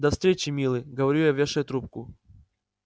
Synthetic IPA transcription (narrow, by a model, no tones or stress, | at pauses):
d̪ɐfst̪ɾʲet͡ɕɪmʲilˠɨjɡəvɐɾʲujavʲeʂəjt̪ɾup̚kʊ